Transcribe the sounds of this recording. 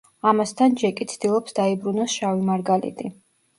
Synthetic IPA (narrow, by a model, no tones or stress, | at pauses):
amast̪ʰand͡ʒɛkʼit̪sʰd̪̥ilˠɔpsd̪aibɾunɔsʃavimaɾɡalḭt̪ʼi